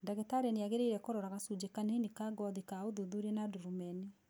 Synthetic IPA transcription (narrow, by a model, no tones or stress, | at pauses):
ndaɣetaɾeneaɣeɾeiɾɛkoɾɔɾaɣasud͡ʒekanenikaɡɔðikaoðuðuɾɛnaduɾumɛni